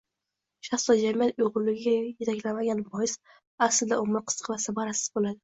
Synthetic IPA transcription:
ʃaχsɒd͡ʒamijat̪ʊjʁʊɾlɪɡʲɪɡʲajet̪ʰakʲlamaɡʲanbɒjɪs | aslɪd̪aomɪɾqʰɨ̥sqvasabaɾasɪ̥z̥bolad̪ɪ

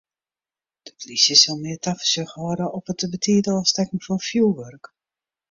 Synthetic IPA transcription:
d̥ə̥plisjəsɔlˠmɪərtafə̥søxʋɔɾəʔɔpətəbətʰiːdəɔstɛkən̩fɔnfjuːʋørk

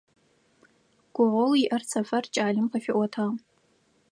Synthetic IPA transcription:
ɡ̥ʷʊʕʷoliʔɐrt͡sʰafart͡ʃʼaːlʲɪmqʰafɪʔʷwatʰa

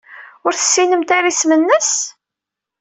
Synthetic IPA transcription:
ʊɾθə̥sːinəmt̪aɾismənːəs

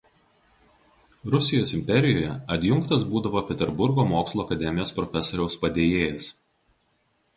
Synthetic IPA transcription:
ɾʊsʲɪjoːsɪmʲpʲɛɾʲɪjoːjɛɐt̪ʲjʊŋkt̪ɐs̬buːd̪ɐʋoːpʲɛt̪ʲɛɾbʊɾɡoːmoːkslˠoːɐkɐd̪ʲɛmʲɪjoːspɾɔfʲɛsoːɾʲɛʊspɐd̪ʲeːjeːjɛs

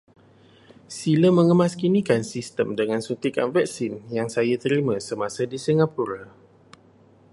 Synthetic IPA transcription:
siləmə̃ŋəmaskinikansist̪əmdəŋãnsut̪ika̰nvɛk̚sinjaŋsajat̪əɾimãsəmãsadisiŋapuɾa

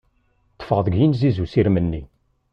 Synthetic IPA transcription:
t̪ːə̥fəʁðˤəɡjinzizusiɾmənːi

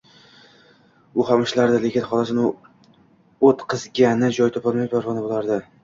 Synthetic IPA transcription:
ʊhamɪʃlaɾd̪ɪle̞kʲɪnχɒlˠasnʊ | ot̪qʰɨzɡʲanɪd͡ʒɒjt̪ʰɒpɒlˠmajpʰaɾʁɒnabolˠaɾd̪ɪ

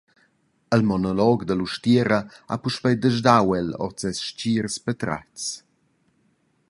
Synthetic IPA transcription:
əlmɔnɔlɔɡd̪əluʃtɛɾəa̰puʃpəjd̪əʒdawɛlɔ̰t͡sɛsʃt͡ʃiːrspət̪ɾa̰t͡s

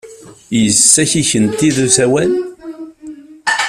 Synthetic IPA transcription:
jəsːæçiçənt̪ːiðusæwæl

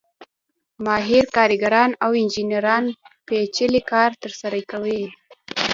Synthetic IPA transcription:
mɑɦɪɾkɑɾiɡaɾɑnawɪnd͡ʒineɾɑnpet͡ʃəlikɑɾt̪əɾsaɾakawe

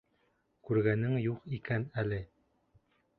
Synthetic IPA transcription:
kʉɾɡænɘŋjuqikænælɘ

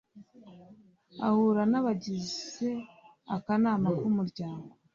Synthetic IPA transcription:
a̰huɾanaβaɟize̞ | akanaːmakumuɾɟaːŋɡo

